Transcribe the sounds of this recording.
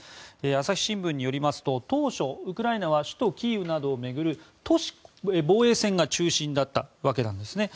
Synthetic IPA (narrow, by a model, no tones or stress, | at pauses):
easaçʲi̥ɕĩmbɯ̃ɲ̟ːijo̞ɾʲimasɨ̥t̪o̞t̪o̞ːɕo̞ɯ̟kɯ̟ɾainaβaɕɨ̥t̪o̞kʲiːɯ̟nad̪o̞ːme̞ɡɯ̟ɾɯ̟t̪o̞ɕi̥ebo̞ːe̞ːsẽ̞ŋɡat͡ɕɨːɕĩnd̪at̪ːa̰βake̞nãnd̪e̞sɨne̞